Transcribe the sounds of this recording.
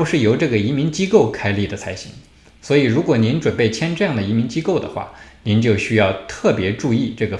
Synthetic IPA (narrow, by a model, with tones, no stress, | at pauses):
ʂɻ̩˥˩jo˧˥ʊʈ͡ʂɤ˥˩ɡə˩i˧˥mi˧˥nt͡ɕi˥ko˥˩ʊkʰa˥ɪli˥˩d̪ə˩t͡sʰa˧˥ɪɕḭ˧˥ŋ | swɔ˧˥i˨˩ɻu˧˥kwɔ˨˩ni˧˥nʈ͡ʂwə˨˩npe˥˩ɪt͡ɕʰjɛ˥nʈ͡ʂɤ˥˧jɑ˥˩ŋd̪ə˩i˧˥mi˧˥nt͡ɕi˥ko˥˩ʊd̪ə̰˩xwa̰˥˩ni˧˥nt͡ɕjo˥˩ʊɕy˥jɑ˥˧ʊt̪ʰɤ˥˩pjɛ˧˥ʈ͡ʂu˥˧i˥˧ʈ͡ʂɤ˥˩ɡə˩